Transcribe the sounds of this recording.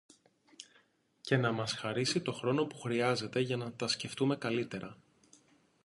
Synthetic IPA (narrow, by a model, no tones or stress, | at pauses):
ce̞nɐmɐsxɐɾisit̪o̞xɾo̞no̞pu̥xɾiɐze̞t̪e̞ʝɐnɐt̪ɐsce̞ft̪ume̞kɐlit̪e̞ɾʔɐ